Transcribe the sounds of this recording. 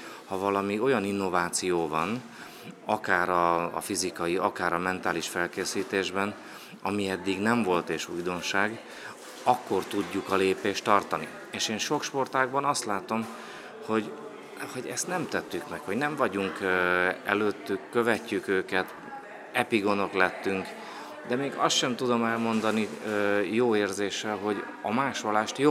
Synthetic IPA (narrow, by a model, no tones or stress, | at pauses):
hɒvɒlɒmio̞jɒninːo̞vaːt̪sijoːvɒn | ɒkaːɾɒ̰ːfizikɒjiɒkaːɾɒmɛnt̪aːliʃfɛlkeːsiːt̪eːʒbɛn | ɒmiɛd̪ːiɡnɛɱvo̞lt̪eːʃujd̪o̞nʃaːɡ | ɒkːo̞rt̪uɟːukɒleːpeːʃt̪ɒrt̪ɒnḭ | eːʃeːnʃo̞kʃpo̞rt̪aːɡ̚bɒnɒst̪laːt̪o̞m | ho̞ɟ | ho̞ɟɛst̪nɛmt̪ɛt̪ːykmɛkho̞ɟnɛɱvɒɟuŋk | ɛ̰løːt̪ːykːøvɛcːykøːkɛt̪ | ɛpiɡo̞no̞klɛt̪ːyŋk | d̪ɛmeːɡɒst̪ʃɛmt̪ud̪o̞mɛlmo̞nd̪ɒnijoːeːrzeːʃɛlɦo̞ɟ | ɒmaːʃolaːʃt̪jo